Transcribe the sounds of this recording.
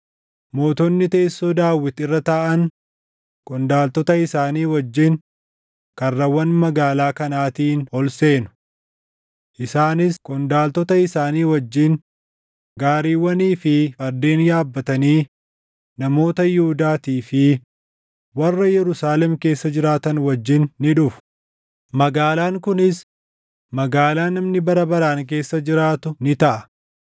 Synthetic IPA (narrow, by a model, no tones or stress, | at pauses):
mo̞ːt̪ɔnːɪt̪eːsːoːd̪aːwːɪt̪ɪrːɐt̪aʔɐn | kʼɔnd̪aːlt̪ɔt̪ɐɪsaːniːwɐd͡ʒːɪn | kɐrːɐwɐnmɐɡaːlaːkɐnaːt̪iːnhɔlse̞ːnʊ̥ | ʔɪsaːnɪskʼɔnd̪aːlt̪ɔt̪ɐɪsaːniːwɐd͡ʒːin | ɡaːɾiːwɐniːfɪfɐɾd̪eːnjaːbːɐt̪ɐniː | nɐmo̞ːt̪ɐjɪhʊd̪aːt̪iːfɪ | wɐrːɐjɛɾʊsaːlɛmke̞ːsːɐd͡ʒɪɾaːt̪ɐnwɐd͡ʒːɪnːɪᶑʊfʊ̥ | mɐɡaːlaːŋkʊnɪs | mɐɡaːlaːnɐmnɪbɐɾɐbɐɾaːŋk̬e̞ːsːɐd͡ʒɪɾaːt̪ʊnɪt̪ɐʔɐ